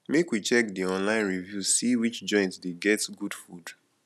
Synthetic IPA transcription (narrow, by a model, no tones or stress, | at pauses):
mekwit͡ʃɛkdiɔ̃nlãɪ̃nɹivjusiwit͡ʃd͡ʒɔ̃ɪ̃ntdeɡɛtɡudfud